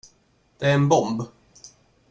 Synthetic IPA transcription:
d̪̥ɛæɾɛnbɔmb

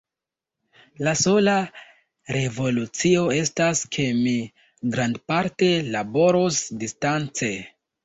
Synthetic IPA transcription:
laso̞la | ɾe̞vo̞lut͡sio̞e̞staskʰe̞mi | ɡɾandpaɾte̞labo̞ɾosdistant͡se̞

